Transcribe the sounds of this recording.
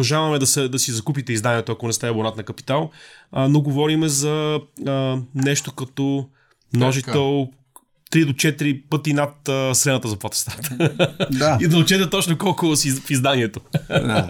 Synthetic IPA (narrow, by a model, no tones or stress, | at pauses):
ɐʒavɐmɛd̪ɐsɛd̪ɐsizɐkupit̪ɛizd̪aniɛt̪oɐkonɛst̪aibonat̪nɐkɐpi̥t̪alˠnoɡovɔɾimɛzɐ | nɛʃt̪okɐt̪ɔ | mnɔʒit̪ɛlˠ | t̪ɾid̪ot͡ʃɛt̪ɾipɤt̪inɐt̪əsɾɛnət̪əzɐplˠat̪st̪ɾat̪ | aid̪ɐʊt͡ʃɛt̪ɛt̪ɔt͡ʃnokɔlˠkoosifizd̪aniɛt̪o